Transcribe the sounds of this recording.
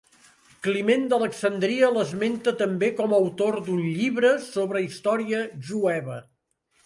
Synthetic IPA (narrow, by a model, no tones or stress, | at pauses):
klimend̪ələksənd̪ɾiələzment̪ət̪əmbekɔməwt̪ord̪unʎiβɾəsoβɾəist̪ɔɾiəʒuɛβə